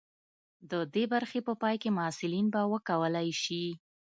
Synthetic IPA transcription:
d̪əd̪ebaɾxepəpɑjkemʊsɪlinbawəkawəlajʃi

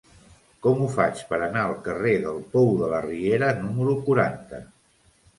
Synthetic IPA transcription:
kɔmufa̰t͡ʃpəɾənaəlˠkəreðəlˠpɔwðələrieɾənuməɾukuɾant̪ə̰

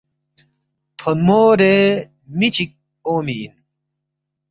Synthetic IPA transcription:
t̪ʰonmoːɾe | mit͡ɕʰik̚ | oːmiːn

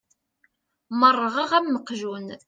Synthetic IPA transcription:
mərˤːəʁəʁæmːəqʒun

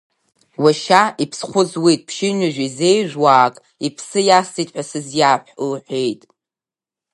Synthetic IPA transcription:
waʃaʔipʰsχʷʊzwitʼpʰʃɪnɨʒᶣizejʒʷᶣwaːkʼ | ipʰsɨjasitʼħʷᶣasɨzjaħʷlħʷᶣejtʼ

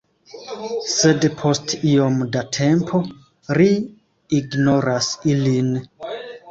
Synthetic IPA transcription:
se̞dpʰo̞stio̞mdatʰe̞mpʰo̞ | ɾiː | ɡno̞ɾasilin

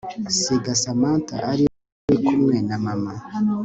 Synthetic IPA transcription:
seɡasamaːnta̰ʔaɾi | ekumŋenamama

